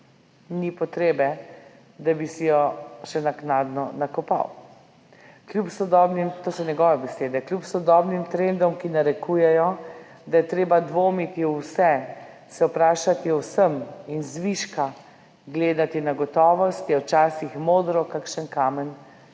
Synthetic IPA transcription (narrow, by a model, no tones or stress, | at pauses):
nipɔt̪ɾeːbɛ | d̪abisijɔʃɛnaknaːd̪nɔnakɔpa̰w | kljupsɔd̪ɔːbnimt̪oːsɔnɛɡɔːʋɛbɛseːd̪ɛkljupsɔd̪ɔbnimt̪ɾend̪ɔmkinaɾɛkuːjɛjɔ | d̪ajɛt̪ɾeːbad̪ʋoːmit̪iwsɛ | sɛwpɾaːʃat̪iɔwsəminzʋiʃka | ɡleːd̪at̪inaɡɔt̪ɔːʋɔst̪ɔwt͡ʃaːsixmoːd̪ɾɔkakʃənkaːmɛn